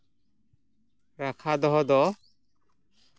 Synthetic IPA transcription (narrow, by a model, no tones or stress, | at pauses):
ɾakʰad̪ɔɦɔd̪ɔ